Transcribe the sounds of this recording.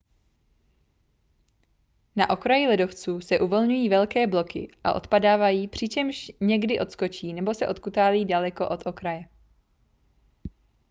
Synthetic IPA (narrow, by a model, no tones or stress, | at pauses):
naʔo̞kɾajɪlɛdo̞ft͡suːsɛʔuvo̞lɲujiːvɛlkɛːblo̞kɪ̰ʔa̰ʔo̞̰t̪padaːvajiːpr̝̥ɪt͡ʃɛmʃɲɛɡdɪʔo̞t̪sko̞t͡ʃiːnɛbo̞sɛʔo̞t̪kut̪aːliːdalɛko̞ʔo̞t̪ʰo̞kɾajɛ